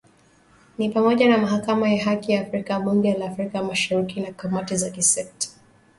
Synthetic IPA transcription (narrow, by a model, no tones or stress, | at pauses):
nipamɔʄanamaɦakamajaɦakijaːfɾikaɓuŋɡɛlaːfɾikamaʃaɾikinakamatizakisɛk̚tḁ